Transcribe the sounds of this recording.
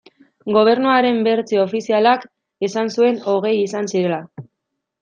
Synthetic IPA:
ɡo̞β̞e̞ɾnuaɾe̞mbe̞ɾt͡sio̞fisialak | e̞sansue̞no̞ɣ̞e̞jisansiɾe̞la

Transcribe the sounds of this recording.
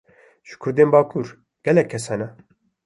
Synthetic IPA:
ʒɨ̥kʰʊɾd̪eːnbaːkʰuːɾ | ɡ̥ɛlɛkʰːɛsɑːnɛ

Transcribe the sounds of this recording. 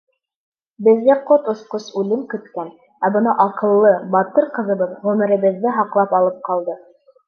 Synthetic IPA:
bɘ̆ðɡæqot̪ŏsqosʉlɘmkɵ̆t̪kæn | æbɤ̆nɑʔɑqɤ̆lˠːɤbɑt̪ɤɾqɤ̆ðɤ̆bɤðʁʉmɘ̆ɾɘ̆βɘ̆ðːɘɦɑqlˠɑpɑlˠɤp̚qɑlˠd̪ɤ

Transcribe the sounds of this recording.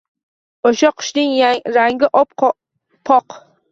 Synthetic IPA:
oʃaqʰʊ̥ʃnɪŋaɾaŋɡʲɪʔɒp̚q | pʰɒq

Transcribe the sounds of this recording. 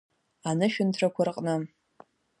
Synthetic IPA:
anɨʃᶣʊntʰrʰakʷʰarqʼnɨ

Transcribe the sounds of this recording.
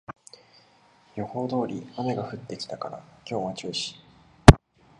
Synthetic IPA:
jo̞ho̞ːd̪o̞ːɾʲiame̞ɡaɸɯ̟t̪ːe̞kʲi̥t̪akaɾa̰kʲʰo̞ːβat͡ɕɨːɕi̥

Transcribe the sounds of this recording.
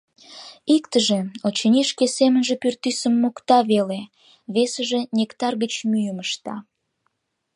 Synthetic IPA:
ikt̪əʒeot͡ɕənʲiʃkesemənʒepyrt̪ysəmːokt̪ɑβele | βesəʒenʲekt̪ɑrɣət͡ɕmyjəməʃt̪ɑ̰

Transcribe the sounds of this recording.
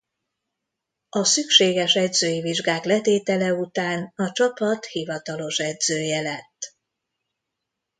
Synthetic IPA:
ɒsykʃeːɡɛʃɛɟzøːjiviʒɡaːklɛt̪eːt̪ɛlɛut̪aːnɒt͡ʃɒpɒt̪hivɒt̪ɒlo̞ʃɛdz̥øːjɛlɛt̪ː

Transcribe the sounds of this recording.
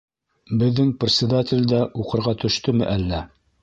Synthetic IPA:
bɘ̆ðːɘŋprʲɪt̪sʲɪd̪atʲɪ̆lʲd̪æʔuqɤ̆ɾʁɑt̪ʰɵ̆ʃt̪ɵmɘ̰ʔælːæ

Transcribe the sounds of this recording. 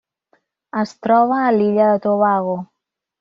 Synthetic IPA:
əst̪ɾɔβaːliʎaðət̪oβaɣo

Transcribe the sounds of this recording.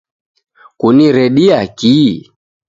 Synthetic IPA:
kuniɾɛɗiaki

